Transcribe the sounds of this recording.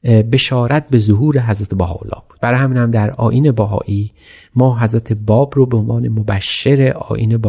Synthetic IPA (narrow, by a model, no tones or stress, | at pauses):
be̞ʃɒːɾæt̪̚be̞zoɦuːɾeɦæzɾæt̪ʰebæɦɒ̰ːo̰lːɒ̰ːb̥uːd̪̥̚b̥æɾɒːjhæmiːnhæmd̪æɾɒ̰ːʔiːne̞bæɦɒ̰ːʔiː | mɒːɦæzɾæt̪ʰebɒːbɾobeonvɑːne̞mobæʃːeɾeʔɒ̰ːʔḭːneb